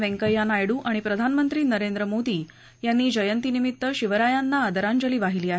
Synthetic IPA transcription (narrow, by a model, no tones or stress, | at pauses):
ʋeŋkəjanajɽuːʔaɽ̃ipɾəd̪ʱanmənt̪ɾiːnəɾend̪ɾəmod̪iː | janːiːd͡ʑəjənt̪inimit̪ːəɕiʋəɾajanːaːd̪əɾaɲd͡ʑəliːʋaɦiliːaɦe